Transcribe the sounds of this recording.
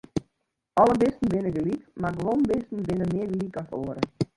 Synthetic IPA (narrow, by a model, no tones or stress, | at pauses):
ʔɔləbɪstn̩ʋɪnəɡəlikmaɡəʋonbɪstn̩bɪnəmɪərɡəlikɔso̰ːəɾə